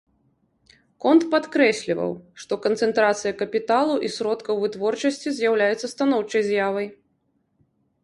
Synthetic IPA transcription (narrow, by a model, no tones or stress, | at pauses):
kɔnt̪pat̪kɾɛsʲlʲivɐ̰wʂt̪ɔkɐnt̪sɛnt̪ɾat̪sɨjɐkɐpʲit̪alˠuʔisɾɔt̪kɐwvɨt̪vɔrt͡ʂɐsʲt͡sʲizʲjawlʲajɛt̪sːɐst̪anɔwt͡ʂɐjzʲjavɐj